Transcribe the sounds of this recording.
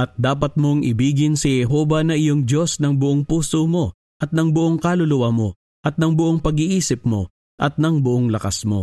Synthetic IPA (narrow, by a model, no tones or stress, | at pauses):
ʔɐt̪̚d̪aːpɐt̪̚mo̞ŋʔɪbiːɡɪnsɪhɛɦo̞ːvɐnɐʔɪjo̞ŋdo̞snɐŋbʊʔoŋpuːsomo̞ | ʔɐt̪̚nɐŋbʊʔoŋkalolʊwɐmo̞ | ʔɐt̪̚nɐŋbʊʔoŋpɐɡiʔiːsɪp̚mo̞̰ | ʔɐt̪̚nɐŋbʊʔoŋlɐkasmo̞̰